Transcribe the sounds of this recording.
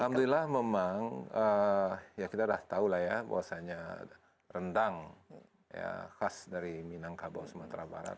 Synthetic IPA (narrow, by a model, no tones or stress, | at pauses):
amd̪uilahmemaŋəjakit̪adaht̪aulahjaba̰wasaɲa | rəndaŋ | ja̰xasdaɾiminaŋkaba̰wsəmat̪ɾaba̰ɾa̰t̪̚